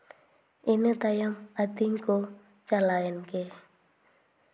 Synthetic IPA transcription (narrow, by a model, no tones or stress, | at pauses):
inet̪ajamat̪iŋko | t͡ʃalajanke